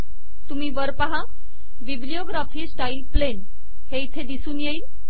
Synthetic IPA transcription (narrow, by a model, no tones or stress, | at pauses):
t̪umiːʋəɾpaɦa | ʋiblijoɡɾafiːsʈailplen | heit̪ʰed̪isuːnjeiːl